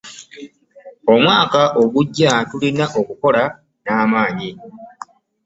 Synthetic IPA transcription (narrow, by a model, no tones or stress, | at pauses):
o̞mwaːkaʔo̞ɡuɟːatulinaʔo̞kuko̞la | naːmaːɲi